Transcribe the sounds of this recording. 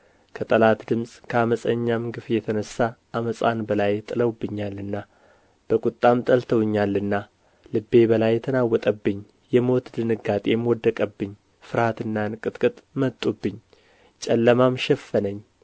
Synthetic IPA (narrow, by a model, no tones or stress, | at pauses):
kʰət̪ʼəlat̪d̪ɨmsʼkʰəaməsʼəɲːamɡɨfjɛt̪ʰənəsːaʔaməsʼa̰nbəlajt̪ʼɨləwbːɨɲːalːɨnːa | b̥əkʼut̪ʼːamt̪ʼəlt̪ʰəwɨɲːalːɨnːa | lɨbːe̞bəlajːɛt̪ʰənawːɔt̪ʼəbːɨɲː | jɛmo̞t̪d̪ɨnɨɡat̪ʼemwɔd̪ːəkʼəbːɨɲː | fɨɾhat̪ɨnːankʼɨt̪ʼkʼɨt̪ʼmət̪ʼːubːɨɲː | t͡ʃʼɛlːəmamʃɛfːənəɲː